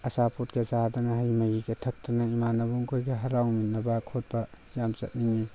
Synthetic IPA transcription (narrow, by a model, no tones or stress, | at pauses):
ɐsapotɡɐzadɐnɐɦɐjmɐɡiɡɐtʰɐk̚tɐnɐimanɐbuŋkʰojɡɐɦɐɾawminːɐbɐkʰot̚bɐ | jamsɐ̰t̚niŋu